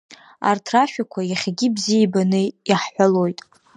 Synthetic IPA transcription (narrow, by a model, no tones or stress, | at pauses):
a̰rtʰraʃᶣakʷʰajaχʲaɡʲibzijabanɨaħħʷalo̞jtʼ